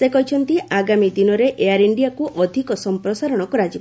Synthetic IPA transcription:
sekɔɦit͡ʃʰɔnt̪iʔaɡamid̪inɔɾeʔeaɾiɳɖijakuʔɔd̪ʱikɔsɔmpɾɔsaɾɔɽ̃ɔkɔɾad͡ʒib

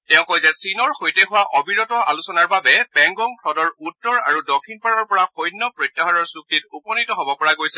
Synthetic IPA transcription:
tɛʊ̃kɔjzɛsinɔɹxojtɛɦʊwaʔɔbiɹɔtɔa̰lusɔnaɹbabɛpɛŋɡɔŋpʰɹɔdɔɹutːɔɹa̰ɹudɔkʰinpaɹɔɹpɔɹaxojnːɔpɹojtːaɦaɹɔɹsuk̚tit̚upɔnitɔɦɔbɔpɔɹaɡojsɛ

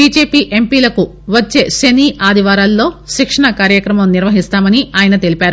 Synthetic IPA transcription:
biːd͡ʒe̞ːpiːʔe̞mpiːlɐku | ʋɐt͡ʃːe̞ːseniːʔaːd̪ʱiʋaːɾaːlːo̞ːʃikʂɐɳɐkaːɾjɐkɾɐmɐmniɾʋɐɦist̪aːmɐniaːjɐnɐt̪e̞lipaːɾu

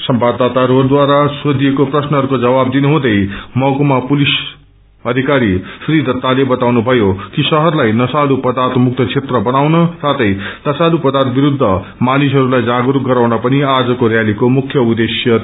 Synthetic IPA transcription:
sʌmbad̪ːad̪aɾɦoɾud̪waɾasod̪ijekoprʌsnʌɦʌɾukod͡zʌbab̚d̪inuɦũd̪ʌjmʌkomapulis | ʌd̪ʱikaɾiprid̪ʌt̪ːalebʌt̪awnubʱʌjokisʌɦʌrlajnʌsalupʌd̪art̪muk̚t̪ʰʌt͡sʰet̪rʌbʌnawnʌsat̪ʰʌjnʌsalupʌd̪art̪̚biɾud̪ʱːʌ | manisɦʌɾulajd͡zaɡuɾuk̚ɡʌɾawnʌpʌniad͡zʌkoɾjalikomukʰjʌud̪esjʌ

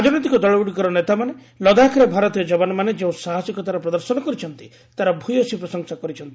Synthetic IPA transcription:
ad͡ʒɔnɔt̪̬ikɔd̪ɔɭɔuɽikɔɾɔnet̪amane | lɔd̪akʰɾebʱaɾɔt̪ijɔd͡ʒɔbanɔmaned͡ʒeũsaɦasikɔt̪aɾɔpɾɔd̪ɔɾsɔnɔkɔɾit͡ʃʰɔnt̪i̥ | t̪aɾɔbʱujɔsipɾɔsɔŋsakɔɾit͡ʃʰɔnt̪i̥

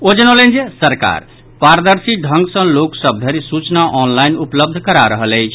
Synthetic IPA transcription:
od͡ʒənolend͡ʒesəɾka̰ɾ | paɾd̪əɾsiɖʱə̃ŋɡsə̃loksəb̚d̪ʱəɾisut͡ʃnaʔɔnlajnupləb̚d̪ʱkəɾaɾəɦələjt͡ʃʰ

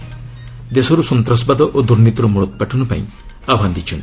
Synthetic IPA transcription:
d̪esɔɾusɔnt̪ɾɔsbad̪ɔʔod̪uɾnit̪ɔɾumuɾɔt̪̚ɔpaʈʰɔnupa̰ḭ̃ | abʱand̪it͡ʃʰɔn

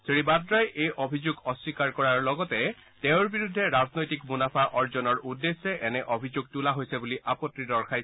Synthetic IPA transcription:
sɹeɹibadɹajʔejʔobʱizuɡɔswikaɹkɔɹaɹlɔɡɔtɛ | tɛ̃ʊ̃ɹbiɹudʱːɛɹaznojtikmunapʰaʔɔɹzɔnɔɹudːesːɛʔɛnɛʔobʱizuɡ̚tulaɦojsɛbuliʔapɔtɹidɔɹkʰaj

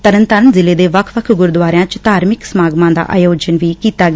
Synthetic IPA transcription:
t̪əɾənt̪əɾənzɪleːd̪eːʋəkʰʋəkʰɡʊɾd̪ʋaːɾejãːt͡ʃt̪aːɾmɪksəmaːɡmãːd̪a̰ːʔa̰ːjoːd͡ʒənʋiːkiːt̪aːɡ

